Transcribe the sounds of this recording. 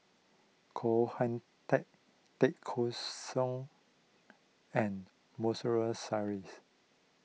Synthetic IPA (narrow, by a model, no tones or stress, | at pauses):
kʰohãn | tɛk̚ | tɛkʰːosɔ̃ŋ | ɛ̃n | mɔsəɹəsaɹis